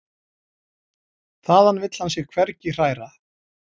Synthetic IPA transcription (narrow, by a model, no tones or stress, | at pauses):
θaːðhanːvɪt̪l̥hansjɛɣkʰvɛɾcɪr̥aːjɾa